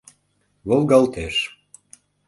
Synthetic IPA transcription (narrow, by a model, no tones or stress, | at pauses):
βolˠɡɑlt̪eʃ